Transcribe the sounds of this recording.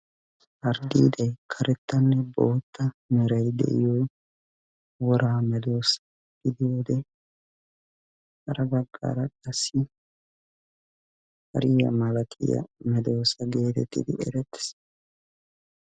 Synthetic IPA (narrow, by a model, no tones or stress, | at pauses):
ʔɐɾd̪ḭːd̪ɐjkʰɐɾʔɛt̪ːɐnːɛboːt̪ːɐmɛɾɐjd̪ɛ̰ʔɪjɔj | wɔɾaːmɛd̪o̞ːsɐ̥ | ɡ̥ɪd̪ɪjoːd̪ɛ | hɐɾɐbɐɡːa̰ɾɐkʼɐsːɪ | hɐ̰ɾɪjɐ̰mɐlɐt̪ʰʼɪ̰jɐ̰mɛd̪o̞ːsɐɡe̞ːt̪ɛt̪ːɪ̰d̪ɪʔɛ̰ɾɛt̪ːɪ̥s